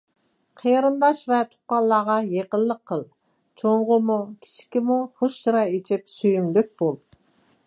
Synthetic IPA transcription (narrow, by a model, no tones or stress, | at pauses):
qʰejɾɨnd̪ɑʃvɛt̪ʰʊ̥qɑlˠːɑːʁɑjeqəlˠːəqʰːəlˠ | t͡ʃʰoɴʁʊmukʲʰi̥t͡ʃʰi̥kʲimuχoʃːɾɑet͡ʃʰɪp̚syjymlyk̚ʲb̥olˠ